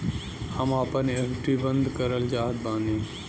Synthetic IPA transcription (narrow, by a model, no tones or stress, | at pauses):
hɐmaːpənekʈibənd̪kəɾəld͡ʒaːɦt̪̚bãːnd̪i